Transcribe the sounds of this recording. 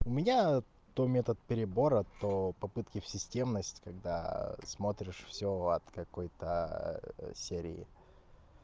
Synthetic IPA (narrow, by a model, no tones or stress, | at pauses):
ʊmʲɪnʲa | t̪omʲet̪ət̪̚pʲɪɾʲɪbo̞ɾət̪opɐpɨt̪kʲɪfsʲɪsʲtʲe̞mnəsʲtʲkɐɡd̪a̰smot̪ɾʲɪʂfsʲoɐ̰t̪kɐkojt̪ə | sʲeɾʲɪ̰ɪ̰